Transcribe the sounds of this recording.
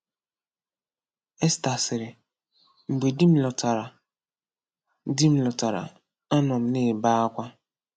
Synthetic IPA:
e˦sta˨sɪ˨ɾɪ˨ | ŋ͡m̩˨ɡ͡be˨di˦m̩˦lɔ˨ta˨ɾa˨ | di˦m̩˦lɔ˨ta˨ɾa̰˨ | a˦nɔ˨m̩˦ne˦˨ba˦a˦kʷa˦

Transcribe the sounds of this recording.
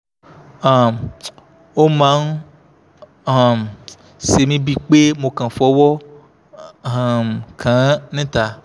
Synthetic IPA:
a˨m | wo˦mã˦n | a˨m | se˨mĩ˦bi˦k͡pe˦mõ˨kã˨fɔ˦wɔ˦ | a˨mkʰã˨˦nẽ˦t̪a˨

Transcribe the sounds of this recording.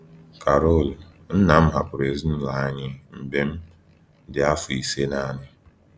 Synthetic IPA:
ka˨ɾo˦˨l | n̩˦na˨m̩˦ɦa˨pʊ˨ɾe˨zn̩˦la˨a˦ɲɪ˦m̩˨be˦m̩˦ | dɪ˨a˦fʊ˨i˨se˦na˦˨nɪ˦

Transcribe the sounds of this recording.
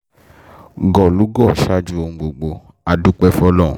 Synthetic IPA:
ɡɔ˨lu˨˦ɡɔ˦˨ʃa˦d͡ʒu˦õ˧ɡ͡bo˨ɡ͡bo˧ | a˨du˦k͡pɛ˦fɔ˧˦lɔ˦˨

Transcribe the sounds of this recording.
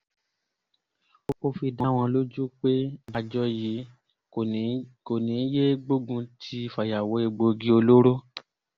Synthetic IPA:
o˧ko˧fi˧da˨˦w̃ɔ̃˧lo˦d͡ʒu˦k͡pe˦a˧d͡ʒɔ˦ji˨˦˨ | ko˨nĩ˨˦je˦ɡ͡bo˦ɡũ˧tʰi˦˧fa˨ja˨wɔ˨˦e˧ɡ͡bo˧ɡi˧o˧lo˦ɾo˦

